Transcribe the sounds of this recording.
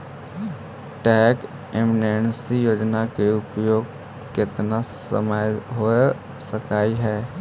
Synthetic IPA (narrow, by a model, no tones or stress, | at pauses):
ʈɛːk | emnensijoːd͡ʒnakeʊpjoːɡ | kɪt̪nasə̰məjɦo | səkaːiɦɛː